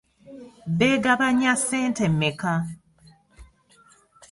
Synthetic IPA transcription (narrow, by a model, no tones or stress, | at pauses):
beɡaβaɲaseːntemːeka